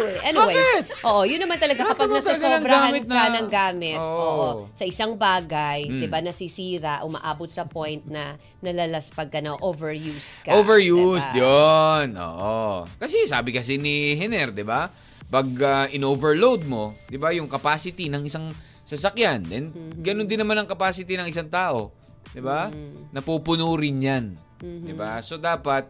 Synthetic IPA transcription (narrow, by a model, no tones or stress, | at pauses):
ʔɛniweɪst̪ʔoːʔo̞jʊnːɐmant̪ɐlɐɡakɐpaɡ̚nɐsoɐsɡanɐŋbɾɡaːmɪt̪̚nanɐŋɡaːmɪtoʔoːʔʔosɐʔɪsaŋbaːɡɐjd̪ɪbanɐsisiːɾɐʔʊmɐ̰ʔaːbot̪sɐpojnt̪̚nɐ | nɐlɐlaspɐɡ̚kɐnoʔovɛɹjuːst̪̚kɐovɛɹjust̪jonʔo̰ːʔokɐsɛsaːbɪkɐsɛnɪɦɛnɛɾd̪ɪba | pɐɡ̚ɐʔɪnovɛɹlowd̪̚mo̞d̪ɪbajʊŋkɐpaːsɪt̪ɪnɐŋɪsaŋ | sɐsɐkjand̪ɛnɡɐnond̪ɪnːɐmanɐŋkɐpaːsɪt̪ɪnɐŋʔɪsaŋt̪aːʔo̞ | d̪ɪbanɐpupʊnoːɾɪnjan | d̪ɪbaso̞d̪aːpɐt̪̚